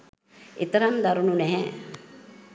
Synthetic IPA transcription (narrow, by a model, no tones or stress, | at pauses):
ɪt̪ɐɾɐmd̪ɐɾununɛɦɛ̃